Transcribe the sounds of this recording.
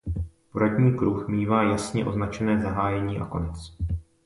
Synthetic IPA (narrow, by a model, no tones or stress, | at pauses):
poɾadɲiːkɾuxmiːvaːjasɲɛʔo̞znat͡ʃɛnɛːzaɦaːjɛɲiːʔa̰ko̞nɛt͡s